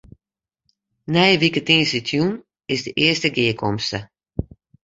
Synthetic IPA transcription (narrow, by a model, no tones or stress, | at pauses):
nɛjəʋikətĩnsitʰjun | ɪsdəʔɪəstəɡɪəkʰɔmstə